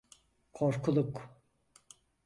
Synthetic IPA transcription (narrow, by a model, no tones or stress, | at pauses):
kʰoɾkʰulˠuk